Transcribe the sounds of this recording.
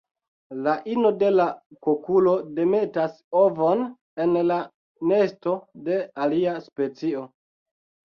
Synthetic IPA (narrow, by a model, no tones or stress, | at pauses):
laʔino̞de̞lakokulo̞de̞me̞tas | ovon | enla | ne̞sto̞de̞aliaspe̞t͡sio̞